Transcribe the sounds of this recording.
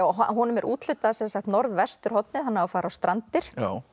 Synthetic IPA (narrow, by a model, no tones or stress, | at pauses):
awɦa̰ɦunʏmɛɾʔṵːt̪l̥ʏt̪ːaðasɛnsaxkt̪nɔɾðvɛ̥st̪ʏɾ̥hɔt̪̚nɪðhanːaawfaːɾawst̪ɾʔant̪ɪɾ̥a